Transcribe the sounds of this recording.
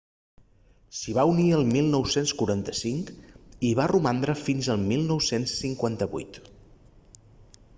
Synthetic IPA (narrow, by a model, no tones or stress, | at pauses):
siβauniəlˠmilˠnɔwsenskuɾant̪əsiŋkiβarumand̪ɾəfinzəlˠmilˠnɔwsensːiŋkwant̪əβṵjt̪